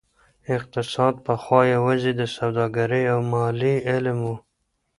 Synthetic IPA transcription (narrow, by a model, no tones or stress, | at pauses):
ɪq̚t̪ɪsɑd̪̚pəxwɑjewazid̪əsawd̪ɑɡaɾəjawmɑliɪlmwu